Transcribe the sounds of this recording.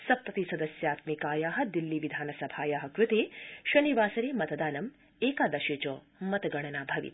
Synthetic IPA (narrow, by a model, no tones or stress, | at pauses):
sɐpɾɐt̪isɐd̪ɐsjaːt̪mikaːjaːɦɐ̆d̪ilːiʋid̪ʱaːnɐsɐbʱaːjaːɦɐ̆kɾut̪eːʃɐniʋaːsɐɾeːmɐt̪ɐd̪aːnɐm | eːkaːd̪ɐʃeːt͡ʃoː | mɐt̪ɐɡɐɳ̃ɐnaːbʱɐʋḭt̪